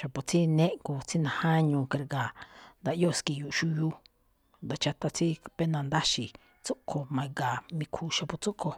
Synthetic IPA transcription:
ʃa˨po˨t͡si˦nẽ˦ʔŋko˧t͡si˦nã˧hã˦ɲũː˧ke˧ɾɡa˨nd̪a˧ʔjo˦˨ski˧˨ju˧ʔʃu˧ju˦ | nd̪a˨t͡ʃa˧t̪a˧t͡si˦pe˦nã˧˨nd̪a˦ʃi˨ | t͡su˦kʰo˧mã˧i˧ɡa˨mĩ˧kʰu˧ʃa˧pu˧t͡su˦ʔkʰo˧

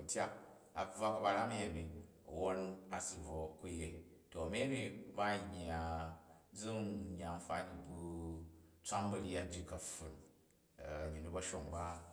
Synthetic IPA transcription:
u˨tʲa˦k | a˨˦b͡va˦ka˨ba˧ɾa˦mi˦je˨mḭ˨ | wo˦n˦a˨si˨vo˨ku˦je˦ | to˨ɐ˨m˦e˦bi˦ba˦˨ɲʲ˨a˨d͡zu˦ŋɲ˨a˨m̩˦fa˦ni˨bu˦ | t͡sʷa˦mbɐ˨ɾi˦a˦d͡ʒi˨kɐ˨ɸu˨n˨ | ɲi˨nu˦bɐ˦ʃo˨ŋba˦

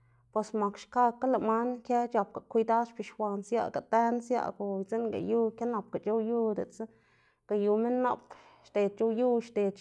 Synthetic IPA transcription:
pwe˨sma˨kʃka˦˧kːa˦la˨ma˦nkje˦t͡ʃa˨p̚ka˨kʷi˧d̪a˦ʃpi˧˨ʃxʷa˧nsja̰˧ɡa˨t̪e˦nsja̰˦˧ɡo˨t͡se˦nɡa̰˨ju˦kʲa˦na˨p̚ka˨t͡ʃo˦ju˦d̪ḛ˨t͡sa˦ | ɡ̥a˨ju˨me˦nːa̰˧pʃt̪e˨d̪̚t͡ʃo˧ju˦ʃt̪e˨

